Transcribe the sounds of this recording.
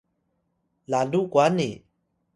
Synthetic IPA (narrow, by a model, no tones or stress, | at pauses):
lalukwani